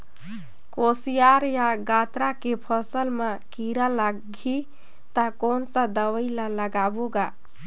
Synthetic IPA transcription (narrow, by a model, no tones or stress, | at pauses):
kosijaɾjaɡat̪ɾakepʰəsəlmekiɾalaɡʱi | t̪akonsə̃d̪əwəjlaləɡaboɡa